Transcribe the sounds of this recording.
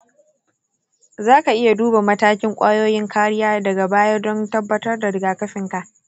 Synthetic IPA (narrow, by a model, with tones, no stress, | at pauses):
zaː˦ka˨ʔɪ˦ja˨duː˦ba˨mɐ˦taː˦kʲɪ˦ŋkʷʼaː˦joː˦jɪ˦ŋkʰaː˦ɽɪ˦jaː˦dɐ˨ɡa˨baː˦jɐ˦rdɔ˦ntɐ˦bːɐ˦tɐ˦rda˨ɾɪ˨ɡaː˨kɐ˦sɪ˨ŋka˨ʔ